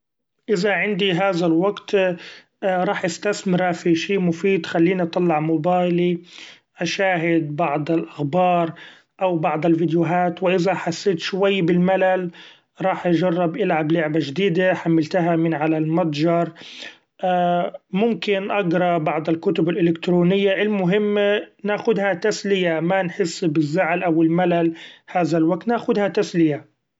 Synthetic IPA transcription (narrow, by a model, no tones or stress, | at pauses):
ʔɪðaʕɪnd̪iɦaːðalwaɡt̪ː | ɾˤɑːħʔast̪asmɪɾafiʃiːmʊfiːd̪xalːiːniʔɑt̪ˤɑlːɑʕmʊbaːjli | ʔaʃaːɦɪd̪̚bɑʕd̪ˤɪlʔaxbɑːɾˤ | ʔawbɑʕd̪ˤɪlvɪd̪jʊɦaːt̪wɪʔɪzaħasːeːt̪ʃwajːbɪlmalal | ɾˤɑːħʔad͡ʒɑrˤːɑbʔɪlʕablʊʕbaʒd̪iːd̪aħamːalt̪aɦamɪnʕalalmɑt̪ˤd͡ʒɑɾˤ | ʔaːmʊmkɪnʔɑɡɾˤɑbɑʕd̪ˤɪlkʊt̪ʊbɪlʔɪlɪkt̪ɾuːnɪjːaʔɪlmːʊɦɪmːnaːxʊd̪hat̪aslɪjamanħɪsːbɪzːaʕlʔawɪlmalalhaːðalwak̚t̪naːxʊd̪hat̪aslɪja